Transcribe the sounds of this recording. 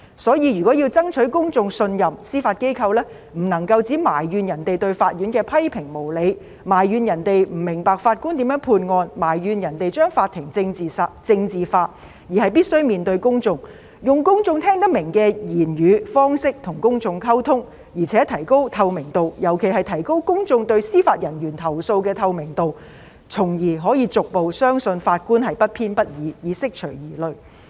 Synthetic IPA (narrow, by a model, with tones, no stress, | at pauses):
sɔː˨˥jiː˨˧ɥyː˨˩kʷɔː˨˥jiː˧wt͡sɐ˥ŋt͡ʃʰɵ˨˥ɥkʊ˥ŋt͡sʊ˧ŋsɵ˧njɐ˨msiː˥faː˧t̚ke˥jkʰɐ˧wlɛː˥ | m̩˨˩nɐ˨˩ŋkɐ˧wt͡siː˨˥maː˨˩jɥyː˨˧njɐ˨˩nt̪e˨jt̪ɵ˧ɥfaː˧t̚ɥyː˨˥nkɛː˧pʰɐ˥jpʰɪ˨˩ŋmo˨˩wle˨˧j | maː˨˩jːyː˨˧njɐ˨˩nt̪e˨jm̩˨˩mːɪ˨˩ŋpaː˨kfaː˧t̚kuː˥nt̪iː˨˥mjœː˨˥ŋpʰuː˧nŋɔː˧nmaː˨˩jɥyː˨˧njɐ˨˩nt̪e˨jt͡ʃœː˥ŋfaː˧t̚t̪ʰɪ˨˩ŋt͡sɪ˧ŋt͡siː˨sa˧t͡sɪ˧ŋt͡siː˨faː˧t̚ | jiː˨˩hɐ˨jpiː˥t̚sɵ˥ɥmiː˨nt̪ɵ˧ɥkʊ˥ŋt͡sʊ˧ŋ | jʊ˨ŋkʊ˥ŋt͡sʊ˧ŋt̪ʰɛː˥ŋt̪̬ɐ˥k̚mɪ˨˩ŋkɛː˧jiː˨˩njyː˨˧fɔː˥ŋsɪ˥k̚t̪ʰʊ˨˩ŋkʊ˥ŋt͡sʊ˧ŋkʰɐ˥wt̪ʰʊ˥ŋ | jiː˨˩t͡sʰɛː˨˥t̪ʰɐ˨˩jko˥wt̪ʰɐ˧wmɪ˨˩ŋt̪o˨wjɐ˨˩wkʰe˨˩jɦɐ˨jt̪ʰɐ˨˩jko˥wkʊ˥ŋt͡sʊ˧ŋt̪ɵ˧ɥsiː˥faː˧t̚jɐ˨˩nɥyː˨˩nt̪ʰɐ˨˩wso˧wkɛː˧t̪ʰɐ˧wmɪ˨˩ŋt̪o˨w | t͡sʰʊ˨˩ŋjiː˨˩ɦɔː˨˥jiː˨˧t͡sʊ˨k̚po˨wsœː˥ŋsɵ˧nfaː˧t̚kuː˥nɦɐ˨jpɐ˥t̚pʰiː˥npɐ˥t̚jiː˨˧jiː˨˧sɪ˥k̚t͡ʃʰɵ˨˩ɥjiː˨˩lɵ˨˧ɥ